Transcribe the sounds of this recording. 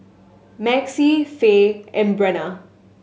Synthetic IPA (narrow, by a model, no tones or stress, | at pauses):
mɛksifeɛ̃mbɾɛna